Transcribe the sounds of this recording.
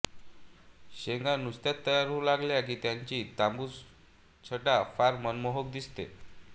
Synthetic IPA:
ɕeŋɡanust̪jat̪ːəjaɾulaɡljak̬iːt̪jaɲt͡ɕiːt̪ambu | t͡sʰəʈafaɾmənmoɦok̚d̪ist̪ḛ

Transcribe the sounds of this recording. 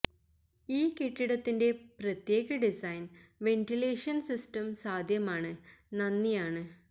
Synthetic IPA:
iːkeʈːiɽɐt̪ːinde̞prɐt̪je̞ːɣɐɖisɐjnʋe̞ntileːʂɐnsistɐmsaːd̪ʱjɐmaːɳɨnɐnːijaːɳɨ

